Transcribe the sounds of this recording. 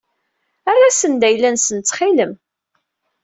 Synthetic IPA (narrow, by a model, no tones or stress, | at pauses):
arˤːasənd̪æjlːænsənt͡s̪ːχiləm